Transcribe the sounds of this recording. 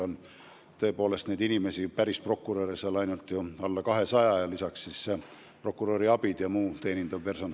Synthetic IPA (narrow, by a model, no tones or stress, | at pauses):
on | t̪ɤ̞e̞po̞ːle̞st̪nejd̪inime̞sipæɾispro̞kːˑuɾoːɾiselɑjnult̪ˑjuɑlːɑkɑɦe̞sɑjɑjɑlisɑksːisːe | pro̞kːˑuɾoɾiɑb̥id̪̥jɑmuːt̪e̞ːnind̪ɑvpe̞rso̞n